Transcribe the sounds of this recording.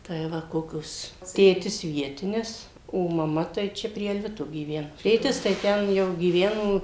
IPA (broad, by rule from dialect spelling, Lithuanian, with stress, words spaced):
tɐɪ ˈʋɐ ˈkoːkʲoːs ˈtʲeːtʲɪs ˈʋʲiɛtʲɪnʲɪs oː mɐˈmɐ tɐɪ ˈt͡ʃʲɛ pʲrʲiɛ ɐlʲˈʋʲɪtoː ɡʲiːˈʋʲæːnʊ ˈtʲeːtʲɪs tɐɪ ˈtʲɛn jɛʊ ɡʲiːˈʋʲæːnoː